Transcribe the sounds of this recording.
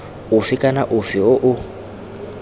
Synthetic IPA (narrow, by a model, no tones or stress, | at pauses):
ʊfɪkʼanaʔʊfɪʊʔʊ